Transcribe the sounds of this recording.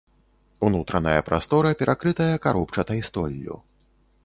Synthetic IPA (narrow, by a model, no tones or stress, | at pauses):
unut̪ɾɐnɐjɐpɾast̪ɔɾɐpʲɛɾʔakɾɨt̪ɐjɐkaɾɔpt͡ʂɐt̪ɐjst̪ɔlʲːṵ